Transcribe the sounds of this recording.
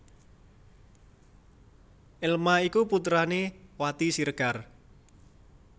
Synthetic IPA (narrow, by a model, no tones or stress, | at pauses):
ʔɪlmaikuput̪ɾanewat̪isirɡ̥ar